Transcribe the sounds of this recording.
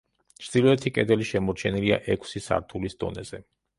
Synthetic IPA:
t͡ʃʰd̪̥ilɔɛt̪ʰikʼɛd̪ɛliʃɛmɔɾt͡ʃʰɛnilia̰ʔɛkʰsisa̰ɾt̪ʰulisd̪ɔ̰nɛz̥ɛ

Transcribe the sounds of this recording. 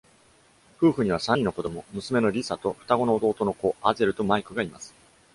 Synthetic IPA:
ɸɯ̟ːɸɯ̟ɲ̟iβ̞asãiːno̞ko̞d̪o̞mo̞mɯ̟sɨme̞no̞ɾʲisat̪o̞ɸɯ̟̥t̪aɡo̞no̞ːd̪o̞ːt̪o̞no̞ko̞aze̞ɾɯ̟t̪o̞maikɯ̟ɡaimasɨ̥

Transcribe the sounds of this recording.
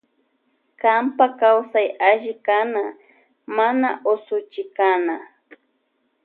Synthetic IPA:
kampakawsajaʒɪkana | manaʔosʊt͡ʃɪkana

